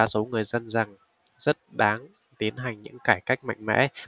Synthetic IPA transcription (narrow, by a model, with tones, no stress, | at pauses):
aː˧˥˩so˨˦ŋɨ˨˩əjzə˧nza˨˩ŋ | zə˦˥t̚ɗaː˨˦ŋ | t̪i˨˦ənɦa˨˩jŋ̟ɲɨ̰˧˥ŋkaː˧˩jka˦˥jk̟̚ma̰˧˨jŋ̟mɛ̰˧˥